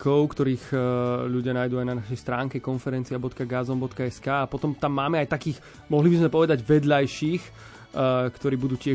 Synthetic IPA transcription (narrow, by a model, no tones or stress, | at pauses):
kɔʊkt̪ɔɾiːxʎuɟɪanaːjd̪uajnanaʃɛjst̪ɾaːŋkɛkɔnfɛɾɛnt͡siabɔt̪kaɡazɔmbɔt̪kaɛskaːpɔt̪ɔmt̪amːaːmɛajt̪akiːx | mɔɦlibizmɛpɔʋɛd̪aɟʋɛd̪ʎajʃiːx | kt̪ɔɾiːbud̪uːcɪɛ